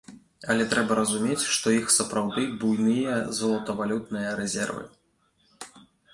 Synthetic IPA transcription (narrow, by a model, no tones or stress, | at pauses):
ɐlʲɛt̪ɾɛbɐɾɐzumʲet͡sʲʂt̪ɔixsɐpɾawd̪ɨbujnɨjɐzɐlˠɐt̪ɐvalʲut̪nɨjɐɾɛzʲɛ̰rvɨ̰